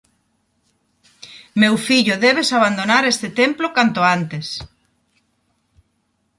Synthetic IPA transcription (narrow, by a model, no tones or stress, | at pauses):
mewfiʎʊðeβesaβand̪onaɾest̪ɪt̪emplokant̪oant̪es